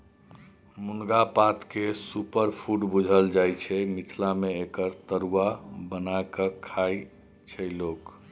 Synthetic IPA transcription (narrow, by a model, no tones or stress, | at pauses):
munɡapat̪kesupəɾpʰuʈbud͡ʒʱəld͡ʒajt͡ʃʰɛmit̪ʰlameekəɾt̪əɾuabənakəkʰaj | t͡ʃʰəjlok